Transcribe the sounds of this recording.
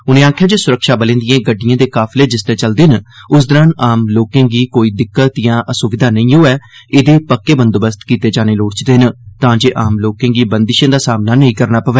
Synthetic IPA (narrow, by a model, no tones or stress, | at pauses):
ʊnẽːaːkʰjaːd͡ʒeːsʊɾəkʃaːbəlẽːnd̪ɪjãːɡəɖːɪjãːd̪eːkaːpʰleːd͡ʒɪst̪ẽːt͡ʃəld̪enʊs̬d̪əɾənaːmloːkẽːɡiːkoːiːd̪ɪkːət̪jãːʔəsʊʋɪd̪ʱaːnəĩːɦoːɛː | ɪd̪eːpəkːeːbənd̪oːbəst̪kiːt̪eːd͡ʒaːneːloːɽt͡ʃd̪eːnt̪ãːd͡ʒeːʔaːmloːkẽːɡiːbənd̪ɪʃãːd̪aːsaːmnaːnəĩːkəɾnaːpəʋɛː